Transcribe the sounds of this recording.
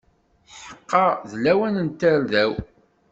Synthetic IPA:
ħə̥qːɑðlːæwænənt̪əɾðæw

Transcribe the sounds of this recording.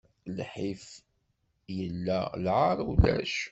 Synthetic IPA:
lħif | jəlːælʕɑɾˤwlæ̰ʃ

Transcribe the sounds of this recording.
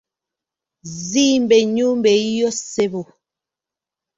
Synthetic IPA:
zimbɛɲumbɛjɔsebo

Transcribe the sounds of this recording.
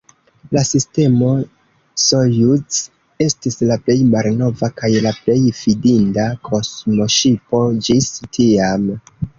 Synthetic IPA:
lasiste̞mo̞ | sojut͡s | e̞stislaple̞jmalno̞vakajlaple̞jfidindakʰo̞smo̞ʃipo̞d͡ʒistʰiam

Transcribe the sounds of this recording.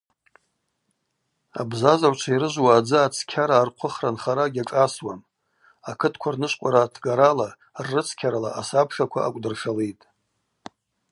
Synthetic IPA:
a̰bzazawʷt͡ʃʷʰaiɾɨʒʷwaːd͡zɨat͡sʰkʲʰaɾaːrqʷʰʊχranχaɾaɡʲaʈ͡ʂʼaswam | akʰɨtʰkʷʰarnɨʃʷqʷʼaɾatʰɡaɾala | rːɨt͡sʰkʲʰaɾalaʔasapʰʂakʷʰa̰ʔa̰kʷʼdɨrʂalejtʼ

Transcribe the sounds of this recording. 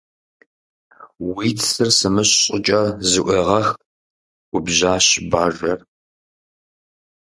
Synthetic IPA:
wiːtʰsɨrsɨmɨɕɕʼɪt͡ʃʼɐzɨʔʷeːʁɐx | ʔʷʊbʑaːɕbaːʒɐr

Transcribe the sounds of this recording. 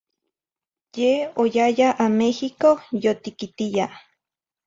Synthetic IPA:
jeojajaʔamehikojot̪ikit̪ija

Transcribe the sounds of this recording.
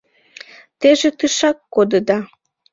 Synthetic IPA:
t̪eʒet̪ɨʃɑkːod̪əd̪ɑ

